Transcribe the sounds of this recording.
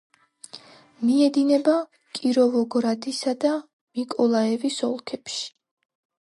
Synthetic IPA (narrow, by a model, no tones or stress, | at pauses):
miɛd̪inɛba | kʼiɾɔvɔɡɾad̪isad̪a | mikʼɔlˠaɛvisɔ̰lˠkʰɛpʃi̥